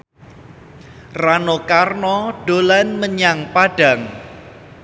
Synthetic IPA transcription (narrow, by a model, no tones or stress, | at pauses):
ranokarnɔɖ̥olanməɲaŋpaɖ̥a̤ŋ